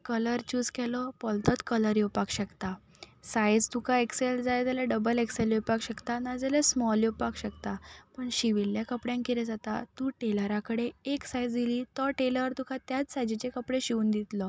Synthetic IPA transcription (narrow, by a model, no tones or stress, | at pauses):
kələɾt͡ɕuːd͡zkʰɛlɔpɔlt̪ət̪kələɾjewpakɕəkt̪a | sajd͡zt̪ukʰaekseld͡zajd͡zalaɖəbəlekseljepakɕəkt̪anad͡zalasmɔljewpakɕəkt̪apəɳɕiʋilːjakəpɽjãŋkiɾed͡zat̪a̰t̪uːʈeləɾakəɽeeksajd͡zd̪iliːt̪ɔʈeləɾt̪ukʰat̪jat͡ssajd͡ʑit͡ɕekəpɽeɕiuːnd̪it̪lɔ